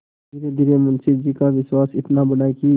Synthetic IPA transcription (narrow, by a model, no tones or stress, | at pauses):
dɪɾed̪ɪɾemʊnsɪk̚d͡ʒikaʋɪswaːsɪt̪nabəɽaːiki